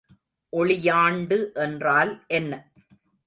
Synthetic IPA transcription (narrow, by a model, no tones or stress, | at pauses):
ʔɔɭɪjaːɳɖɯʔɛndraːlʔɛnːɐ